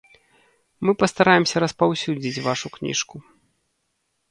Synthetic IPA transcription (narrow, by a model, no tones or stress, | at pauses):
mɨpɐst̪aɾajɛmsʲɐɾɐspawsʲud͡zʲit͡sʲvaʂuknʲḭʂku